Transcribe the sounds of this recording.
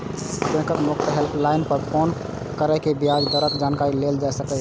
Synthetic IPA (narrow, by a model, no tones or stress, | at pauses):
kẽkəkmokʈ̪əɦelpʰlaɪnpəɾpʰon | kəɾəkebijad͡ʒd̪əɾət̪d͡ʒankaɾileld͡ʒaɛsəkɛ